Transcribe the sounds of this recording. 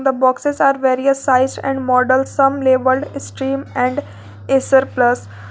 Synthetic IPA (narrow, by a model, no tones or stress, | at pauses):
d̪əbɔːksezaːɾʋeːɾiəsːaɪzɖɛ̰̃ɳɖmɔːɖəlsːɐ̃mleːbəlɖsʈɾĩːmɛ̃ɳɖ | esəɾpləs